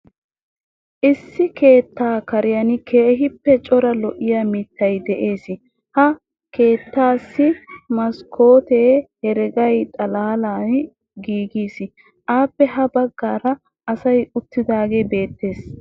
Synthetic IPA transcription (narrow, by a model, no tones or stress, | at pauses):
ʔɪsːɪke̞ːt̪ːaːkɐɾɪjɐnɪkʰe̞ːɦɪpːɛt͡ʃʼɔɾɐlɔʔɪjamɪt̪ːɐjd̪ɛʔe̞ːsɪ | hɐ | ke̞ːt̪ːaːsːɪmɐskʰo̞ːt̪eːhɛɾɛɡɐjt̪ʼɐlaːlaːn | ɡiːɡiːsɪ | ʔaːpːɛɦɐbɐɡːaːɾɐ | ʔɐsɐjʊt̪ːɪd̪aːɡebe̞ːt̪ːe̞ːs